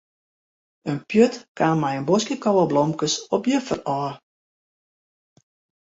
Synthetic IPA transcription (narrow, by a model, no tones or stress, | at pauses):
ənpjøtkaːnmɛjənbɔskjəkɔwəblɔmkəsɔpjəfərɔː